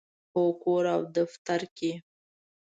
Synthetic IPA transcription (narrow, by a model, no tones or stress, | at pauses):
okoɾawd̪aft̪aɾki